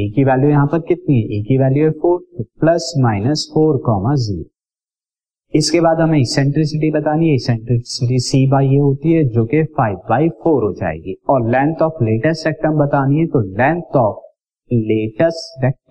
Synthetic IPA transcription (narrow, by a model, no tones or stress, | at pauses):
iːkiʋɛːljujɐɦãpɐɾkɪt̪̚niɦɛʔiːkiʋɛːljuɦɛfʰoːɾplɐsmaːɪnəsfoːɾkɔːmazḭːɾo̰ | ɪskebaːd̪ɦɐmẽɪsɛ̃ɳʈɾɪs̬ɪʈibɐt̪aːniɦɛsɛ̃ɳʈɾɪsɪʈ̬isiːbaːieɦoːt̪iɦɛd͡ʒoːkefaːɪbːaːɪfʰoːɾɦod͡ʒa̰ːḛːɡiɔːɾlɛ̃ːɳɖʈ̪ɔːpʰleːʈəsʈsɛk̚ʈəmbɐt̪aːniɦɛt̪olɛ̃ːɳɖʈɔːp̚ | leːʈəsɛk̚ʈ